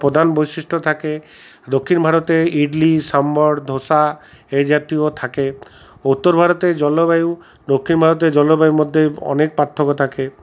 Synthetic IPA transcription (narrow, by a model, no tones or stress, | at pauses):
pɾɔd̪ʱanbɔjsisʈʰɔt̪ʰaked̪okʰːinbʱaɾɔt̪eiɖlisambɔɽd̪ʱosa | ed͡ʒat̪iot̪ʰake | ut̪ːɔɾbʱaɾɔt̪ed͡ʒɔlɔbaju | d̪okʰːinbʱaɾɔt̪̬ed͡ʒɔlɔbajumɔd̪ʱːeɔ̰nek̚paɾt̪ʰɔkɔt̪ʰake